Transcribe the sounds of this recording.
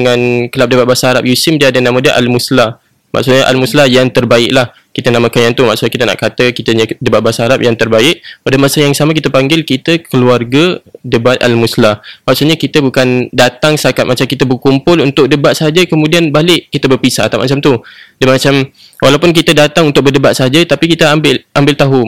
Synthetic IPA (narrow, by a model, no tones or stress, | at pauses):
əŋankəlap̚dəbat̪̚basaɦaɾap̚jusɪmdiadənãmadəʔa̰lmusla | mʔa̰ksʊt̪̚ɲəʔa̰lmuslajaŋt̪ərbaɪʔlah | kit̪ənamakanjant̪umaʔksʊtɲakit̪əna̰ʔkat̪əkit̪əɲədəbatʔ̪̚basaɦaɾap̚jaŋt̪ərbaɪʔpadamasajaŋsamak̬it̪əpaŋɡɪlkit̪əkəluarɡadəbat̪̚ʔa̰lmuslahmaksʊt̪ɲakit̪əbukandat̪aŋst̪akat̪̚mat͡ʃamkit̪əbəkumpʊlunt̪ʊk̚dəbat̪̚səɦad͡ʒəkəmudianbalɪʔkːit̪əbərpisa̰t̪amat͡ʃamt̪udəmat͡ʃam | wʔalawpʊnk̬it̪ədat̪aŋunt̪ʊk̚bərdəbat̪̚saɦad͡ʒət̪apikit̪əambɪlʔambɪlt̪aɦu